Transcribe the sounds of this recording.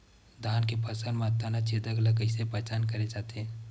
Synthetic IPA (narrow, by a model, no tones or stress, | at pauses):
d̪ʱaːnkepʰəsənmẽɐt̪ːanat͡ʃeːd̪əɡləɡəɪsepɛːt͡ʃaːnkɐɾed͡ʒaːt̪eɦɛ̃ː